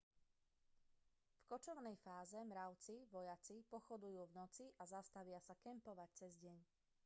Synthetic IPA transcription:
fkɔt͡ʃɔʊnɛjfaːzɛmɾaʊt͡siʋɔjat͡sipɔxɔd̪ujuːvnɔt͡siʔazast̪aʋɪasakɛmpɔʋac̚t͡sɛzɟɛɲ

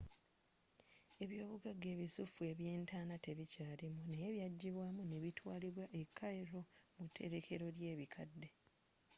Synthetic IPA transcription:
e̞βjo̞ːβuɡaɡːe̞ːβisufue̞βje̞ːntaːnate̞βicaːlimuneeβjaɟːiβwaːmuneβitʰwaːliβwaʔe̞kʰːaeɾo̞mutʰːe̞̰ɾe̞kʰe̞ɾo̞lje̞ːβikʰadːe̞

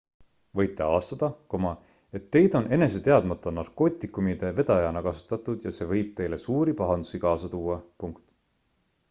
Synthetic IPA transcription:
vɤjt̪ːˑe̞ɑːst̪ɑd̪̥ɑko̞mɑ | e̞t̪ːe̞jd̪̥o̞ne̞ne̞s̬et̪e̞ɑd̪mɑt̪ˑːɑnɑrko̞ːt̪ʲːˑikˑumid̪̥e̞ve̞d̪̥ɑjɑnɑkɑsu̥t̪ːˑɑt̪ːˑud̪̥jɑse̞vɤjb̥̚t̪e̞jle̞suːɾipɑɦɑnd̪̥u̥sikɑːsɑt̪uːɑpuŋkt̪ˑ

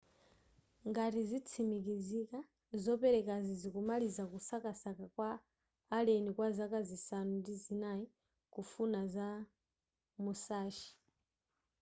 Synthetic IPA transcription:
ŋɡatizit͡sʰimikizika | zɔpɛɾɛkazizikumalizakusakasakakwaː | lɛnikwazakazisanundizinai | kufunaza | musaːʃi̥

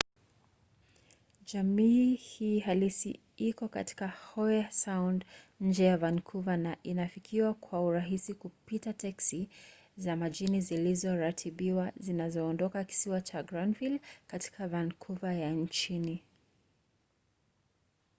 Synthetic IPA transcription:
d͡ʒamiːhiːɦalisḭ | ikɔkati̥kahɔjasawnd | ɲ̩d͡ʒɛjavankʰuvanaʔinafikʰiwakʰwauɾaɦisikupitatɛksi | zamaʄinizilizɔɾatʰiɓiwazinazɔːndɔkaki̥siwat͡ʃaɡɾandvilkati̥kavankʰuvajan̩t͡ʃini

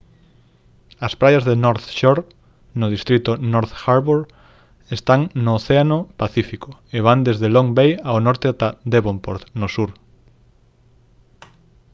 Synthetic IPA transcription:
ɐspɾajazðenoɾθʃoɾ | nʊð̞ist̪ɾit̪ʊnɔɾθxaɾβuɾ | est̪aŋnoːθeanopaθifikʊeβand̪ezðeloŋbejaonɔɾt̪ead̪eβompoɾt̪nosuɾ

